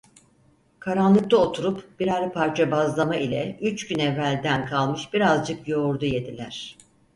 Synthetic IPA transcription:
kʰaɾanlˠɯk̚t̪aot̪ʰuɾupb̥iɾalʲpʰaɾt͡ʃʰabazlˠamailʲɛ̰yt͡ʃɟynɛvːælʲd̪ænkʰalˠmɯʃbiɾazd͡ʒɯkjo̞ɾd̪uje̞d̪ilʲæɾ̝̥

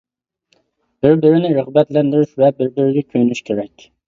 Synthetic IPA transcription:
b̥ɪɾbɪɾɪnɪɾəʁbɛt̪lɛnd̪yɾyʃvɛbɪɾbɪɾɪɡʲɛkʲʰøjnyʃkʲʰeɾɛkʲ

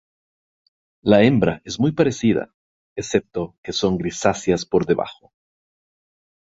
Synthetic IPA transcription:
laembɾaʔe̞zmujpaɾe̞siða̰ | ese̞p̚t̪oke̞so̞ŋɡɾisasjaspo̞ɾðe̞βa̰xo

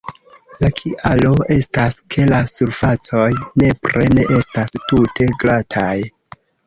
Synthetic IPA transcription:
lakʰiʔalo̞e̞staskʰe̞lasuɾfat͡so̞jne̞pɾe̞ne̞ʔe̞stastutʰe̞ɡlatʰaj

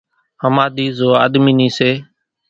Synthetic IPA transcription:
həmaːd̪iːzoːa̰ːd̪miːniːseː

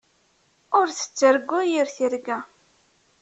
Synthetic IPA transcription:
ʊɾθə̥t͡sːəɾɡːʊjiɾθiɾɡæ

